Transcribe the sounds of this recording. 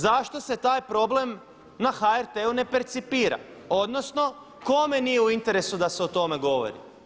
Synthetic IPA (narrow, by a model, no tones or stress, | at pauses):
zaʃt̪o̞se̞t̪aːjpɾo̞ble̞m | naxaeɾt̪eune̞peɾt̪sipiːɾa̰o̞d̪no̞sno̞ | ko̞me̞nijeuint̪e̞ɾe̞sud̪aseot̪o̞me̞ɡo̞ʋo̰ɾḭ